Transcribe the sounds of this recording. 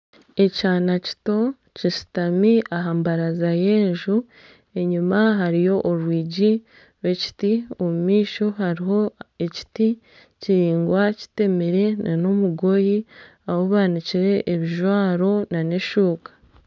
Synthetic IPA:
e̞caːnaci̥to̞ | cisi̥tamiʔaɦaːmbaɾazaje̞ːɲʒu | e̞ɲimaɦaɾijo̞ʔːɾwiːɟi | ɾwe̞ci̥tiomumiːʃo̞haɾiɦo̞e̞ci̥ti | ciɾiːŋɡwaci̥te̞meɾe̞nano̞muɡo̞ji | awoβaːniciɾe̞ʔːβiʒwaːɾo̞nane̞ʃuːkḁ

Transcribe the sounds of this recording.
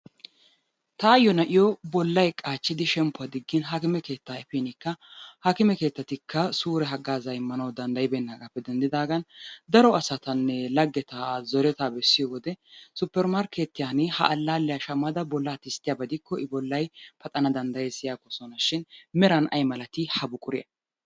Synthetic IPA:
t̪ɐːjːɔnɐʔɪjɔbɔlːɐjkʼaːt͡ʃːɪd̪ɪʃɛmpʊɐd̪ɪɡːɪnɦaːkɪmɛke̞ːt̪ːaɛfenɪkːɐhaːkɪmɛke̞ːt̪ːɐt̪ɪkːɐsuːɾɛɦɐɡaːzɐjɪmːɐnɐwd̪ɐnd̪ɐjɪbɛnːakʼɐpːɛd̪ɛnd̪ɪd̪aːɡɐnd̪ɐɾɔɐsɐt̪ɐnːɛlɐɡːɛt̪azɔɾɛt̪aːbɛsːɪjɔwɔd̪ɛsʊpːɛɾmaɾket̪ːɪjaːnɪhɐ̰ʔɐlːaːlːɛjaʃɐmːɐd̪ɐbɔlːat̪ɪst̪ːɪjaːbɐd̪ɪkʰːɔʔɪbɔlːɐjpɐt̪ʼɐnɐd̪ɐnd̪ɐjɛsɪjaːkːɔsɔnɐʃɪnmɛɾɐnɐ̰jmɐlɐt̪ɪhɐbʊkʼʊɾɪjɐ̰

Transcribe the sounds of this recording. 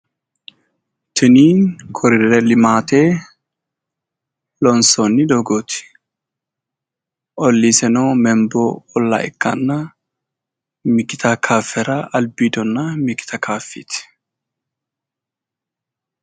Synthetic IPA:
t̪ʰɪniːkʰɔɾɪrɛlɪmaːt̪eː | lɔnsɔnːɪd̪ɔɡoːt̪ɪ̥ | ʔɔlːiːsɛnoːmɛmbɔɔlːa̰ʔɪ̰kːɐ̰nːɐ | mɪkɪt̪ʰɐkʰaːfɛɾɐʔɐlbiːd̪ɔnːɐmɪkɪ̥t̪ʰɐkʰaːfːḭːt̪ɪ̥

